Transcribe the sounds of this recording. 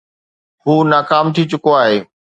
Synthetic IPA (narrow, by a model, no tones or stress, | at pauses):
ɦuːnaːkaːmt̪ʰit͡ɕʊkoaːɦeː